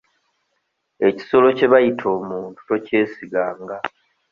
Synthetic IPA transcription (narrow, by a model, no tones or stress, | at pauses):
e̞ci̥so̞lo̞ce̞βajitʰo̞ːmuːntu̥to̞ce̞ːsiɡaːŋɡa